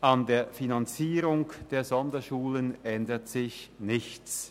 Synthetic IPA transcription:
ʔɑndeːɐfinant͡siːʁʊŋd̥eːɐzɔndɐʃuːlənʔɛndətsɪçnɪçt͡s

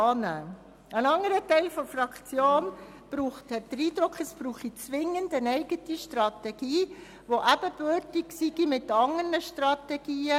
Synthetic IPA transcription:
ɑːnəː | ənɑŋəɾətɛɪlfɔɾfɾɑkʰt͡sjoːn | b̥ɾuːχthɛt̚d̥əɾiːd̪ɾʊkʰəsb̥ɾuːχit͡sʋɪŋːəndənɛɪɡətiʃtɾɑtɛɡ̥iː | ʋoʔæb̥əbøɾtiksiɡimɪtːɑŋəɾnəʃtɾɑtɛɡ̥iːə

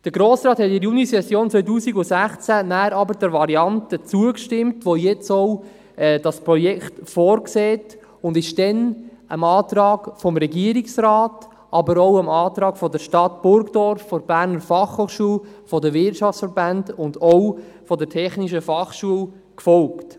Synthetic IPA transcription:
d̥əɾɡɾoːsɾɑːthɛtɪɾjunisɛsjoːnt͡sʋœʏtuːsiɡʊsæχt͡sænæːɾɑbəɾdɛɾʋɑɾiɑntət͡suəkʃtɪmtʋojɛt͡sɔw | ɛːd̥ɑspɾɔjɛkχtfɔːɾkseːt | ʊndɪʃd̥ɛnəmɑːtɾɑːɡfɔmɾɛɡiəɾiksrɑːt | ʔɑbəɾoʊəmɑːtɾɑːɡ̥fɔdəɾʃtɑtb̥ʊɾkd̥ɔɾfːɔɾb̥æːɾnəɾfɑχhoːχʃuəlfɔdəvɪtʃɑft͡sfəɾbændʊndɔw | fɔdəɾtʰɛχniʃəfɑχʃuəl | kfɔlkt

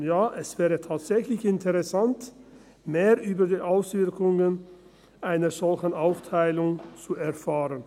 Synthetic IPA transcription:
jaːʔɛsv̥ɛːʁətʰaːtz̥ɛçlɪçɪntʰəʁɛsant | meːʁʔyːbɐdiːʔaʊsv̥ɪɐkʊŋən | ʔaɪnəz̥ɔlçən̩ʔaʊftʰaɪlʊŋt͡suɛɐfaːʁən

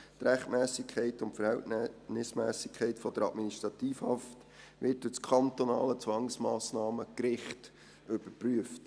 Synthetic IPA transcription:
t̪ɾæχtmæːsɪkʰχɛɪtʊntfəɾhɛltnɪsmɛːsɪkʰχɛɪtfɔd̥̪əɾɑ̰tminiʃtɾɑt̪iːfhɑft | ʋɪt̚dɵt͡skʰɑnt̪ɔnɑ̰ːlət͡sʋɑŋsmɑːsnɑːməkɾɪχt | ʏb̥əɾpryəft

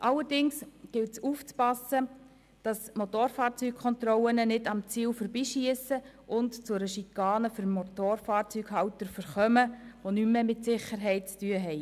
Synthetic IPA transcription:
ʔɑlːəɾdɪŋsɡ̥ɪltsuːft͡spɑsːə | d̥ɑsmot̪oːɾfɑːɾt͡syːk̚kʰɔnt̪rɔlənənɪdɑmt͡siːlfəɾbiːʃiəsə | ʔʊntt͡sʊɾəʃikːɑːnəfʏɾmotoːrfɑːɾt͡syɡhɑwtəɾfəɾχœməʋonymːemɪtsɪχəɾɦɛɪt̚t͡styəɦɛɪ

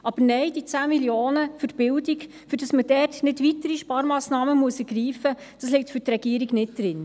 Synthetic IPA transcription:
ʔɑb̥əɾnɛɪd̥it͡sæːmiljoːnəfʏɾb̥ɪldik | fʏɾd̥ɑsməd̥ɛtnɪtvitəɾiʃpɑːɾmɑːsnɑːməmuəsɛɡ̥ɾiːfə | d̥ɑslɪk̚tfʏɾtɾɛɡ̥iːəɾiɡnɪt̚d̥ɾɪn

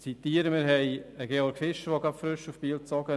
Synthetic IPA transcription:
t͡sit̪iːəɾəmɪɾɦɛjəɡeɔɾɡfɪʃəʋoɡapfɾʏʃufpiːlt͡sɔɡə

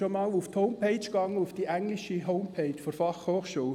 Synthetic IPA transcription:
omɑːluft̪hoʊmpʰeɪt͡ʃɡ̥ɑŋːəufd̥iʔæŋliʃiɦoʊmpʰeɪt͡ʃfɔɾfɑχhoːχʃuː

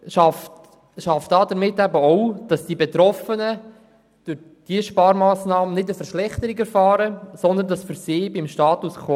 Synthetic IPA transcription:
ʃɑft | ʃɑftd̥ɑːdəɾmɪtːæbəɔwd̥ɑsd̥iːbɛt̪ɾɔfənə | d̥ʊɾ | d̥iəʃpɑːɾmɑːsnɑːmənɪdəfəɾʃlɛχtəɾiɡɛɾfɑːɾəsɔnd̪əndɑsfyɾsɪːbɪmʃtɑːtuskʰo

